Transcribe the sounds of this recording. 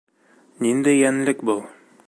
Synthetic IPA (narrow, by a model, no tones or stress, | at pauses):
nind̪æjænlɘkbɤlˠ